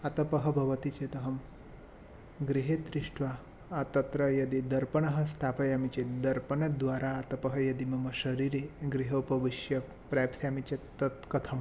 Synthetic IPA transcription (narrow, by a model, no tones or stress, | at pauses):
ɐt̪ɐpɐɦɐ̆bʱɐʋɐt̪it͡ʃet̪ɐɦɐm | ɡɾiɦed̪ɾiʂʈʋa | ɐt̪ɐt̪ɾɐjɐd̪id̪ɐɾpɐɳɐɦɐ̆st̪ʰaːpɐjaːmit͡ʃed̪ɐɾpɐɳɐd̪ʋaːɾaɐt̪ɐpɐɦɐjɐd̪imɐmɐʃɐɾiːɾeɡɾiɦɐupɐʋiʃjɐ | pɾaːpsjamit͡ʃet̪ːɐt̪kɐt̪ʰɐm